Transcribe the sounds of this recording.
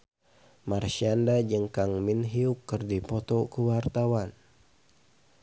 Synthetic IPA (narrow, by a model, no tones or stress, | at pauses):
marʃiandad͡ʒəŋkaŋminɦiukːərdipɔt̪ɔkəwart̪awan